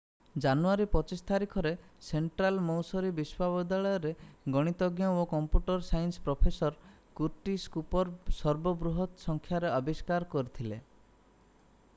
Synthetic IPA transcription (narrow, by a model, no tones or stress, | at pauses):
d͡ʒanuaɾipɔt͡ʃist̪aɾikʰɔɾeseɳʈɾalmɔwsɔɾibiswabɔd̪aɭɔjɔɾeɡɔɽ̃it̪ɔɡjaokɔmpjuʈɔɾsajnspɾɔpʰesɔɾ | kuɾʈiskupɔɾsɔɾbɔbɾuɦɔt̪sɔŋkʰjaɾeɔbiskaɾkɔɾit̪ʰile